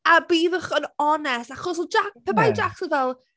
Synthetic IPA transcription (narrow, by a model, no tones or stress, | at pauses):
abiːðəχənɔnɛstaχɔs̬ɔd͡ʒak̚pʰɛbajd͡ʒaksəvɛlˠ